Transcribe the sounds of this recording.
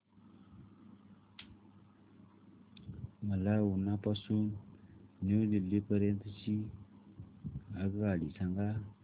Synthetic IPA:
məlawunːapasun | newdilːipəɾent̪ət͡ʃi | aɡɣaɽisaŋɡa

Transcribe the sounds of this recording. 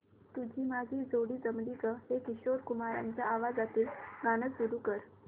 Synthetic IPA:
t̪ud͡ʑʱiːmad͡ʑʱiːd͡zoɽiːd͡zəmliɡəɦekiɕoɾkumaɾa̰ɲt͡ɕjaaʋad͡zat̪iːlɡañəsuɾukəɾ

